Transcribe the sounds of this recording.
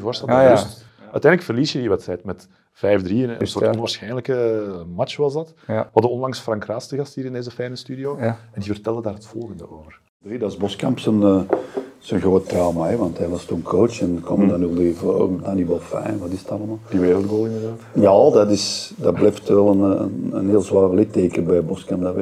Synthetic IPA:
ivoːrstɛlˠs | œ̰ːɥtɛndləkfərliːsjəiːʋɛtsɛjtmɛt | v̥ɛjvdriːənənsoːrtɔnʋaːrsxɛjnləkəmɑt͡ʃʋɑzdɑtʋɑdəɔnlɑŋsfrɑŋkraːstəɣɑsthiːɾɪndeːzəfɛjnəstyːdioːɛndivərtɛlˠdədaːɾɦətfɔlˠɣəndəoːvər | bedɑzbɔskɑmpsənəz̥ənɣroːttrawmaɛʋɑntɦɛʋɑstuənkʰoːt͡ʃɛnkɔmədanylˠivo̰ːɾəmdaːnibɔlˠfɛ̰jnʋɑtɪzətɑlˠəmaːlˠdiʋeːɾəlˠdɡoːlˠɪndərdaːtjadɑtɪsdɑblɛjftʋɛlˠənənə̰nɦeːlˠzwaːrəlɪtːeːkəbɛjbɔskampdaɛ

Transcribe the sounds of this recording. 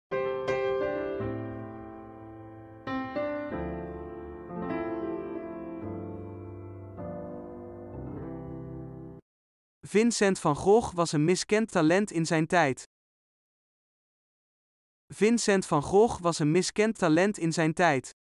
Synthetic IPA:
v̥ɪnsɛntfɑnχɔχʋɑsənmɪskɛntalɛntɪnzɛjntɛjt | v̥ɪnsɛntfɑnχrɔχʋɑsənmɪskɛntalɛntɪnzɛjntɛjt

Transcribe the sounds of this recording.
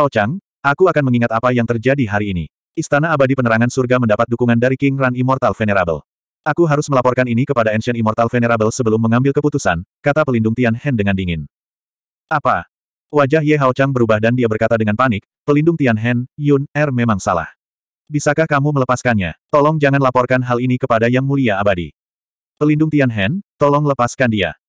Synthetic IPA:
hawt͡ʃaŋ | ʔakuakanməŋiŋat̪apajaŋt̪ərd͡ʒadiɦaɾiːnḭ | ist̪anaːbadipənəɾaŋansurɡaməndapat̪̚dukuŋandaɾikɪŋranimɔrt̪alfeneɾabə̰l | ʔakuɦaɾʊsməlapɔrkaninikəpadaɛnsɛnimɔrt̪alfeneɾabəlsəbəlʊmːəŋambɪlkəput̪usankat̪apəlindʊŋt̪ianhɛndəŋandiŋɪn | ʔapa | wad͡ʒahjɛɦawt͡ʃaŋbəɾubahdandiabərkat̪adəŋanpanɪk̚pəlindʊŋt̪ianɦɛnjunɛrmemaŋsa̰la̰h | bisakahkamumələpaskanɲa̰t̪ɔlɔŋd͡ʒaŋanlapɔrkanɦalinikəpadajaŋmuliaːbadḭ | pəlindʊŋt̪ianɦɛnt̪ɔlɔŋləpaskandia̰

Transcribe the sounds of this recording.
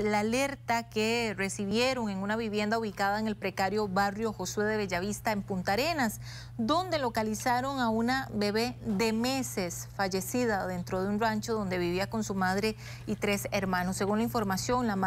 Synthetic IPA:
laːle̞ɾt̪akere̞siβje̞ɾo̞ŋe̞ŋunaβiβje̞nd̪auβikaðaeŋe̞lpɾekaɾjo̞βarjo̞xo̞swe̞ðe̞βeʝaβist̪aempunt̪aɾe̞nas | d̪o̞nd̪e̞lo̞kalisaɾo̞ŋaunabe̞βe̞ðe̞me̞se̞sfaʝe̞siðaðe̞nt̪ɾo̞ð̞eunrant͡ʃoð̞o̞nd̪e̞βiβiako̞nsumaðɾe̞ | it̪ɾe̞seɾmãno̞sːeɣunlaiɱfo̞ɾmasjo̞ŋlam

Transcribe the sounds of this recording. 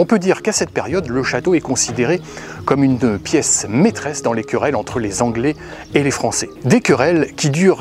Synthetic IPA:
ɔ̃pød̪iʁkasɛt̪̚peʁjɔd̪ləʃat̪oɛkɔ̃sid̪eʁe | kɔmynpjɛsmet̪χɛsd̪ɑ̃lekʲəʁɛlɑ̃t̪χəlezɑ̃ɡlɛ | elefχɑ̃sɛd̪ekəʁɛlkʲid̪yːʁ

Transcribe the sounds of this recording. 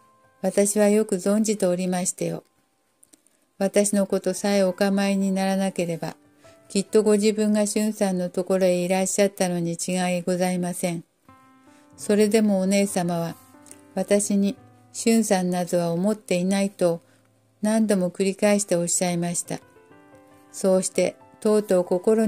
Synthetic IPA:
βat̪aɕiβajo̞kɯ̟zõ̞ɲ̟d͡ʑit̪e̞oɾʲimaɕi̥t̪ajo̞̰ | βat̪aɕino̞ko̞t̪o̞saio̞kamaiɲ̟inaɾanake̞ɾe̞ba | kʲit̪ːo̞ɡo̞ʑibɯ̟̃ŋɡaɕɨ̃ɰ̃sãnːo̞t̪o̞ko̞ɾo̞eiɾaɕːat̪ːano̞ɲ̟it͡ɕiɡaiɡo̞zaimasẽ̞ɴ | so̞ɾe̞d̪e̞mo̞ːne̞ːsamaβa | βat̪aɕiɲ̟i | ɕɨ̃ɰ̃sãnːazɨβaomo̞t̪ːe̞inait̪o̞ | nãnd̪o̞mo̞kɯ̟ɾʲikaeɕi̥t̪e̞o̞ɕːaimaɕi̥t̪a̰ | so̞ːɕi̥t̪e̞ | t̪o̞ːt̪o̞ːko̞ko̞ɾo̞

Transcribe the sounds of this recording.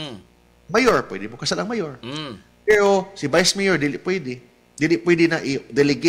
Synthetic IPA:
majoɹpwɛ̰d̪ɪmokɐsalɐŋmajoɹ | pɛːɾo̞sɪbajsmɛjoɹd̪iːlɪʔpwɛd̪ɪ | d̪iːlɪpwɛd̪ɪnɐʔɪd̪ɛlɪɡ

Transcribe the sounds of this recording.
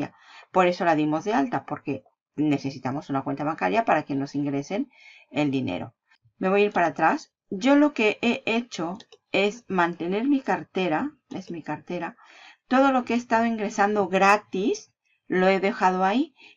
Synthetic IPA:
a | po̞ɾe̞so̞laðimo̞zðe̞alt̪apo̞ɾke̞ | ne̞θe̞sit̪amo̞sunakwe̞nt̪aβaŋkaɾjapaɾake̞no̞siŋɡɾe̞se̞n | e̞ld̪inḛɾo̞̰ | me̞βo̞jaiɾpaɾat̪ɾas | ɟ͡ʝo̞lo̞ke̞ʔeʔet͡ʃo̞e̞zmãnt̪e̞ne̞ɾmikaɾt̪e̞ɾa | e̞zmikaɾt̪e̞ɾa | t̪o̞ðo̞lo̞keeːst̪að̞o̞iŋɡɾe̞sand̪o̞ɣɾat̪is | lo̞e̞ðe̞xað̞oai

